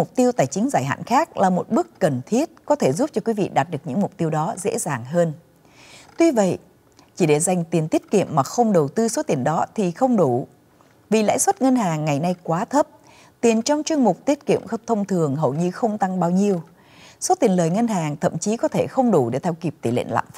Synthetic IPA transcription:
mʊ˨˩k͡p̚t̪i˧əwt̪aː˧˩jt͡ɕï˨˦ŋ̟zaː˧˩jɦa̰ː˧˨nxaː˦˥k̚laː˨˩mo˨˩t̚ɓɨ˦˥əkːə˨˩nt̪ʰi˦˥ət̚kɔ˨˦t̪ʰe˧˩zu˦˥p̚t͡ɕɔ˧kwi˨˦vḭ˧˨ɗaː˨˩t̚ɗɨ˨˩əkɲɨ̰˧˥ŋmʊ˨˩k͡p̚t̪i˧əwɗɔ˨˦zḛ˧˥zaː˨˩ŋɦəː˧n | t̪wi˧və̰˧˨jʔ | t͡ɕi˧˩ɗe˧˩za˨˩jŋ̟t̪i˨˩ənt̪i˦˥ət̚kḭ˧˨əmːaː˨˩xə˧wŋ͡mɗə˨˩wt̪ɨ˧so˨˦t̪i˨˩ənɗɔ˨˦t̪ʰi˨˩xə˧wŋ͡mɗu˧˩ | vi˨˩la̰ː˧˥jswə˦˥t̚ŋə˧nɦaː˨˩ŋːa˨˩jna˧jkwaː˨˦t̪ʰə˦˥p̚ | t̪i˨˩ənt͡ɕɔ˧wŋ͡mt͡ɕwɨ˧əŋmʊ˨˩k͡p̚t̪i˦˥ət̚kḭ˧˨əmxə˧w̚t̪ʰə˧wŋ͡mt̪ʰɨ˨˩əŋɦə˨˩wɲɨ˧xə˧wŋ͡mt̪a˧ŋɓaː˧wɲi˧əw | so˨˦t̪i˨˩ənləː˨˩jŋə˧nɦaː˨˩ŋt̪ʰə̰˧˨mt͡ɕi˨˦kɔ˨˦t̪ʰe˧˩xə˧wŋ͡mɗu˧˩ɗe˧˩t̪ʰɛ˧wki˨˩p̚t̪i˧˩lḛ˧˨nla̰ː˧˨mf

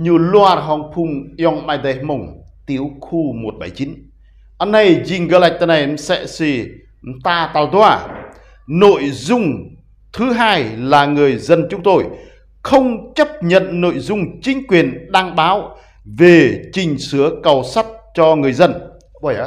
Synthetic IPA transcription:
ɲɨ˧lu˧aː˧rɦɔ˧ŋpʰu˧ŋi˧ɔ˧ŋmaː˧jde˨˧˦hmo˨˧˩ŋt̪i˨˦əwxu˧mo˨˩t̚ɓa˧˩jt͡ɕi˨˦n | ʔə˧nːə˧˩jzi˧˩ŋɣə˧la˨˩k̚t̪ə˧na˨˩jmsɛ̰˧˥si˧ | t̪aː˧t̪aː˧˩t̪waː˧˩ | no̰˧˨jzʊ˧ŋ͡m | t̪ʰɨ˨˦ɦaː˧jlaː˨˩ŋɨ˨˩əjzə˧nt͡ɕʊ˨˦ŋ͡mt̪o˧j | xə˧wŋ͡mt͡ɕə˦˥p̚ɲə̰˧˨nːo̰˧˨jzʊ˧ŋ͡mt͡ɕï˨˦ŋ̟kwi˨˩ənɗaː˧ŋɓaː˨˦w | ve˨˩t͡ɕï˨˩ŋ̟sɨ˨˦əkə˨˩wsa˦˥t̚t͡ɕɔ˧ŋɨ˨˩əjzə˧n˧˩˧

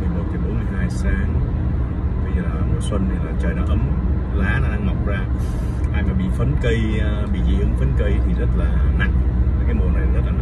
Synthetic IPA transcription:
ɨ˨˩əjmo˨˩t̚t͡ɕʰə˨˦ɓo˨˦nmɨ˧əjɦaː˧jsaː˧ŋ | ɓə˧zəː˨˩laː˨˩˨mo˨˩swə˧nt̪ʰi˨˩laː˨˩t͡ɕəː˨˩jnɔ˨˦ʔə˨˦m | laː˨˦na˨˧˦ɗa˧ŋa˨˩wk͡p̚zaː˧ | ʔaː˧jmaː˨˩ɓḭ˧˨fə˨˦nkə˧jɓḭ˧˨zḭ˧˨ə˨ŋfə˨˦nkə˧jt̪ʰi˨˩zə˦˥t̚laː˨˩na̰˧˩˨ŋaː˨˩kaː˨˦jmo˨˩əna˨˩jnɔ˨˦zə˦˥t̚laː˨˩a˧˨

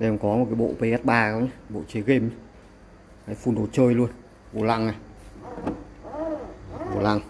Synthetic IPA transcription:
ʔɛ˧˩˨mkɔ˨˦mo˨˩t̚kaː˨˦jɓo̰˧˨pə˧ʔaː˦˥t̚ɓaː˧ka˨˦ɲa˧ɓo̰˧˨t͡ɕe˨˦ɣe˧m˦ | kaː˨˦jfu˧nɗo˨˩t̚t͡ɕəː˧jlu˧ən | vo̰˧˩la̰˧˨ŋaː˨˩˨ | vo̰˧˩la̰˧˨ŋ

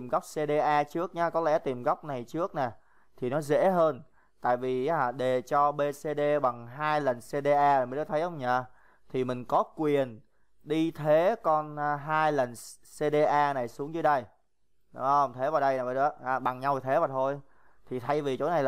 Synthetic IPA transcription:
i˨˩mɣa˦˥wk͡p̚se˧ɗe˧ʔaː˧t͡ɕɨ˦˥ək̚ɲaː˨˦kɔ˨˦lɛ̰˧˥˩t̪i˨˩mɣa˦˥wk͡p̚na˨˩jt͡ɕɨ˦˥ək̚nɛː˨˩ | t̪ʰi˨˩nɔ˨˦zḛ˧˥ɦəː˧n | t̪a̰ː˧˨jvi˨˩˨aː˨˩ɗe˨˩t͡ɕɔ˧ɓe˧se˧ɗe˧ɓa˨˩ŋɦaː˧jlə˨˩nse˧ɗe˧ʔaː˧˨˩mi̟˨˩tɔ˨˦t̪ʰjhə˧wŋ͡mɲaː˨˩ | t̪ʰi˨˩mï˨˩ŋ̟kɔ˨˦kwi˨˩ən | ɗi˧t̪ʰe˨˦kɔ˧nː˨ɦaː˧jlə˨˩n | se˧ɗe˧ʔaː˧na˨˩jsu˨˦əŋzɨ˨˦jɗə˧j | ɗə˧˨ŋ͡mt̪ʰe˨˦vaː˨˩wɗə˧jnaː˨˩va˧˩˧aː˨˩ɓa˨˩ŋɲa˧wt̪ʰe˨˦vaː˨˩t̪ʰo˧j | t̪ʰi˨˩t̪ʰa˧jvi˨˩t͡ɕo̰˧˨˦na˨˩jl

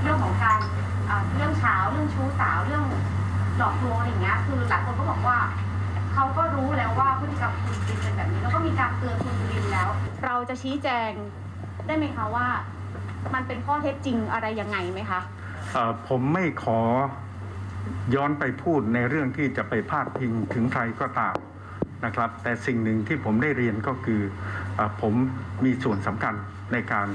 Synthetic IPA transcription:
ɾɯ˥˩əŋkʰɔː˩˦ŋkaː˧n | ʔaː˨˩ɾɯ˥˩əŋt͡ɕʰaː˦˥wɾɯ˥˩əŋt͡ɕʰuː˦˥saː˩˦wɾɯ˥˩əŋ | lɔː˦˥˩k̚klu˧əʔa˧jːa˨˩ŋːi˦˥ɐkʰɯː˧laː˨˩jkʰo˧nkɔː˥˩bɔː˨˩k̚waː˥˩ | kʰa˦˥wkɔː˥˩ɾuː˦˥lɛː˦˥waː˥˩pʰɯ˥˩ka˨˩p̚kʰu˧nki˧nka˧nbɛː˨˩p̚niː˦˥lɛː˦˧˥kɔː˥˩miː˧kaː˧nt̪ɯ˧ənkʰu˧bu˧wi˧nlɛː˦˥wɾa˧wt͡ɕa˨˩t͡ɕʰiː˦˥t͡ɕɛː˧ŋ | daː˥˩jma˦˥˩jkʰa˦˥waː˥˩ | ma˧npe˧nkʰɔː˥˩t̪ʰe˦˥p̚t͡ɕi˧ŋʔa˧ɾa˧jːa˧ŋːa˧jma˦˥jkʰa˦˥ | ʔəː˨˩pʰo˩˦mːa˥˩jkʰɔː˩˦ | jɔː˦˥npa˧jpʰuː˥˩t̪̚na˧jɾɯ˥˩əŋt̪ʰiː˥˩t͡ɕa˨˩pa˧jpʰaː˥˩t̪̚pʰːi˧ŋt̪ʰɯ˩˦ŋkʰɾa˧jkɔː˥˩t̪aː˧m | na˦˥kʰɾa˦˥p̚t̪ɛː˨˩si˨˩ŋnɯ˨˩ŋt̪ʰiː˥˩pʰo˩˦mdaː˥˩jɾi˧ənkɔː˥˩kʰɯː˧ʔaː˨˩pʰo˩˦mːiː˧su˨˩ənsa˩˦mkʰa˧nː | a˧jkaː˧n

